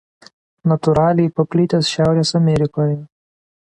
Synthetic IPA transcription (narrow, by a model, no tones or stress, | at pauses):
nɐt̪ʊɾɑːlʲɛjpɐpʲlʲɪt̪ʲɛsʃʲæˑʊɾʲeːsɐmʲɛɾʲɪkoːjɛ